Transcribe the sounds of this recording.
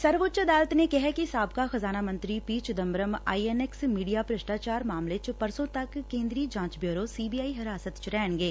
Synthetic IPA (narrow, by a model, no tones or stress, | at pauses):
sɐɾʋoːtːʃəd̪aːlət̪nekɛɦɛkisaːbkaxɐzaːnamə̃nt̪ɾipiːt͡ʃd̪əmbɾəma̰ːiɛnɛksmiːɖijapɾəʃʈaːt͡ʃaːɾmaːmlet͡ʃpɐɾsõt̪ɐkːẽːnd̪ɾiːd͡ʒãːt͡ʃbjoːɾosiːbiːaːiɦɪɾaːsət̪t͡ʃɾɛːnɡeː